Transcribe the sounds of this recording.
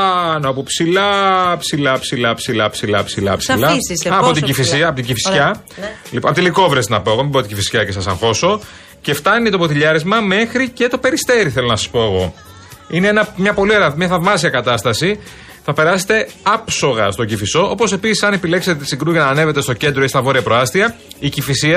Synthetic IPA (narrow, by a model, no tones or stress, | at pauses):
ɐneɐpopsilɐpsilɐpsilɐpsilɐpsilɐpsilɐ̰psilɐsːpot̪iɟifisiɐpot̪iɟifisçɐ | lipɐpot̪iliko̞vɾest̪enɐpoeɣomiboɾt̪iɟifisçɐce̞sɐsɐŋxo̞so̞ | ce̞ft̪ɐnit̪o̞pot̪iʎɐɾezmɐme̞xɾice̞t̪o̞pe̞ɾist̪e̞ɾiθelo̞nɐsɐ̥spo̞eɣo̞ | ineenɐmɲɐpo̞lieɾɐmɲɐθɐvmɐsiɐkɐt̪ɐst̪ɐsi | θɐpe̞ɾɐse̞̥t̪e̞ɐpso̞ɣɐst̪o̞ɟifiso̞ʔo̞po̞se̞pisi̥sɐne̞pile̞kset̪eisiɡɾuʝɐnɐːneve̞t̪e̞st̪oce̞nd̪ɾoist̪ɐvo̞ɾiɐpɾo̞ɐst̪iɐicifisiɐ